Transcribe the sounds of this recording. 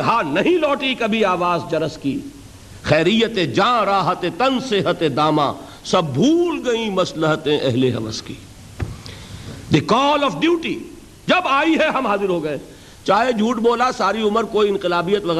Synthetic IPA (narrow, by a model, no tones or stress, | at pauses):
ɦaːnɐɦĩlɔːʈikɐbʱiaːʋaːzd͡ʒɐɾəskiː | xɛːɾijət̪ẽd͡ʒãːɾaːɦət̪ẽt̪ɐ̃nseɦət̪ẽd̪aːmã̰ː | sɐb̚ːʱuːlɡɐĩmɐsləɦət̪ẽʔɛ̰ɦleɦɐ̰ʋə̰ski̥̰ː | d̪ekɔːlɔːfɖjuːʈi | d͡ʒɐbaːiɦɛɦɐmɦaːzɪɾɦoɡɐẽ | t͡ʃaːɦed͡ʒʱuːʈboːlasaːɾiʊməɾkoːiɪ̃nqɪlaːbijət̪ʋɐɣɛ